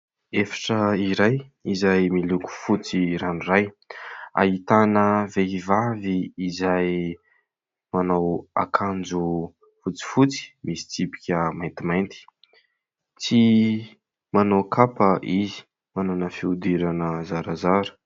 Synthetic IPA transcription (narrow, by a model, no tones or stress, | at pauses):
efḁʈ͡ʂəiɾajizajmiluku̥fut͡siɾanuraj | a̰it̪anəveivaviːzaj | manawa̰kʰand͡zu | fut͡si̥fut͡si̥misi̥t͡sipi̥kʲəmajnt̪imajnt̪i̥ | t͡si | manowkʰapəʔizi̥ | manonəfiud̪iɾanəzaɾazaɾu̥